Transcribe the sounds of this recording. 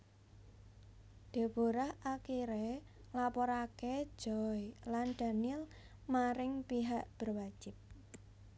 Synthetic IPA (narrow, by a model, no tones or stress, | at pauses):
d̥e̤b̥oɾahakiɾe | ŋlapɔɾake̥d͡ʒ̥ɔjlanɖ̥a̤nɪl | maɾɪŋpiɦaʔb̥ərwḁd͡ʒ̥ɪ̤p̚